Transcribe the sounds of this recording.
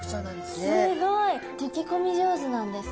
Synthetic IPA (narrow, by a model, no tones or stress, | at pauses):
kt͡ɕonãnd̪essnɨɡoit̪ekʲiko̞mʲiʑo̞ːzɨnãnd̪e̞sɨ̥